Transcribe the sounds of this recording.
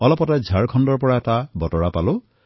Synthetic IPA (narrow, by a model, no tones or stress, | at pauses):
ɔlɔpɔtad͡ʒʱaɹkʰɔndɔɹpɔɹaɛtabɔtɔɹapalu